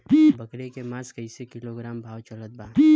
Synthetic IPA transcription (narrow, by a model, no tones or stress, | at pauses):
bɐkɾekemaːzkəisekɪloɡɾaːmbʱaːwt͡ʃələt̪̚baː